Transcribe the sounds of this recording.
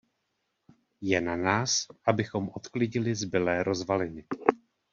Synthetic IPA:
jɛnanaːsʔabɪxo̞mʔo̞t̪klɪɟɪlɪzbɪlɛːɾo̞zvalɪnɪ

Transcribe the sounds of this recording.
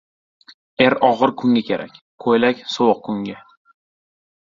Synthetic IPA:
eɾɒʁɨɾkʰʊŋɡʲakʲʰe̞ɾʔa̰kʲ | kʰojlakʲsowq̚kʰʊŋʲa

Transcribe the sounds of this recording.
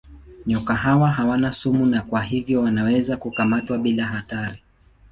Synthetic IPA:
ɲɔkaɦawaɦawanasumunakwaɦivjɔwanawɛzakukamatwaɓilaɦataɾi

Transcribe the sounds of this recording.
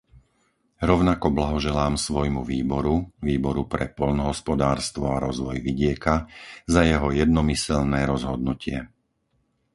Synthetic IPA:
ɾɔʊnakɔblaɦɔʒɛlaːmsʋɔjmuʋiːbɔɾuʋiːbɔɾupɾɛ̰pɔʎnɔɦɔspɔd̪aːɾst̪ʋɔaɾɔzʋɔjʋiɟɪɛkazajɛɦɔjɛd̪̚nɔmisɛlnɛːɾɔzɦɔd̪nucɪɛ

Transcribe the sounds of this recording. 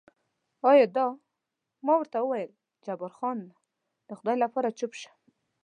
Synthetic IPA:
ɑjɑd̪ɑ | mɑwəɾt̪awəwajəl | d͡ʒabaɾxɑnːa | d̪̥əxʊd̪ɑjlapɑɾat͡ʃʊpʃḁ

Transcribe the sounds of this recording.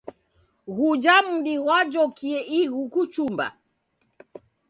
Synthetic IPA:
ɣud͡ʒam̩ɗiwad͡ʒɔkiɛʔiɣukut͡ʃumba̰

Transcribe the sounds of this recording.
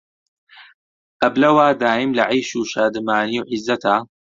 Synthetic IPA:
ʔɐblɐwaːd̪aːʔɪmlɐʕijʃuːʃaːd̪ɨmaːniwʕɪzːɐt̪ʰaː

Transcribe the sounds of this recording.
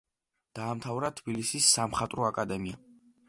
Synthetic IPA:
d̪̥aːmt̪ʰavɾat̪ʰbilisisːamχat̪ʼɾɔakʼad̪ɛmia

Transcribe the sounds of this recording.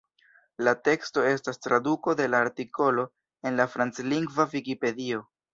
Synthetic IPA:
late̞ksto̞e̞stastɾaduko̞de̞laːɾtiko̞lo̞ | e̞nlafɾant͡sliŋɡvavikipe̞dio̞

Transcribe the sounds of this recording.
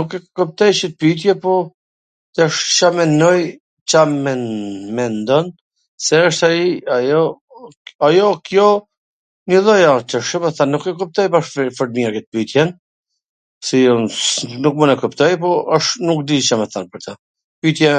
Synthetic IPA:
nukɛkup̚t̪ɛjt͡ʃət̪̚pit̪̬jɛpɔ | t̪ɛʃt͡ʃamɛnɔj | t͡ʃamɛnmɛnd̪ɔn | sɛəʃt̪aiajɔ | ajɔkjɔ | ɲəðɔjat͡ʃəʃəmɛθanːukɛkup̚t̪ɔjbaʃffəɾmiakɛt̪̚pit̪jɛn | siɔnukmunɛkupt̪ɔjpɔɔʃnukd̪it͡ʃamɛθanpəɾt̪ə | pit̪jɛ

